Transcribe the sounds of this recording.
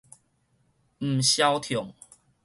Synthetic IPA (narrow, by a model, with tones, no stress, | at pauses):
m̩˨˩ɕja˦wt̪ʰjɔ˨˩˦ŋ